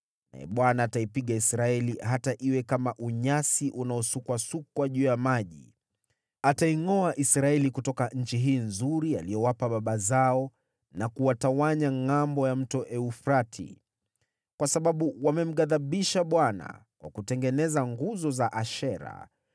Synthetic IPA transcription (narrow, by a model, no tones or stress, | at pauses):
na̰ɛ̰ɓwanaːtaipiɠaisɾaɛliɦataʔiwɛkamaʔuɲasiʔunaɔsukwasukwaʄuːjamaʄḭ | ataiŋɔaʔisɾaɛlikutɔkaɲ̩t͡ʃiɦiːnzuɾialijɔwapaɓaɓazaɔ | nakuwatawaɲaŋambɔjam̩tɔʔɛufɾatʰḭ | kwasaɓaɓuwamɛm̩ɠaðaɓiʃaɓwana̰kwa̰kutɛŋɡɛnɛzaŋɡuzɔzaʔaʃɛɾa̰